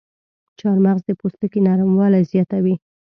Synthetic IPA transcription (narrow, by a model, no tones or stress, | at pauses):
t͡ʃɑɾmaɣzd̪əpost̪əkenaɾmwɑlajzjɑt̪awi